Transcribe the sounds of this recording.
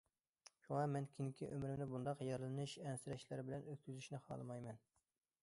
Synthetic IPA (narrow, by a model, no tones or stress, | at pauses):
ʃuŋɑmɛnkʲʰinkʲʰiʔømɾɪmd̪ɪbund̪ɑqjɑɾɨlˠɨnɨʃɛnsɪɾɛʃlæɾɪbɪlɛnøt̪̚kʲyzyʃnɪχɑ̰ːlˠɨmɑjmɛn